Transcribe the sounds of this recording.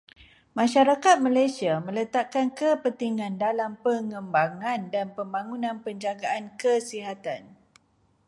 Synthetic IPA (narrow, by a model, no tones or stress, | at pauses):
mãʃaɾakat̪̚malajsiamə̃lət̪akankəpət̪iŋãndalampəŋə̃mbaŋãndanpəmbaŋunãnpəɲd͡ʒaɡaʔankəsiɦat̪an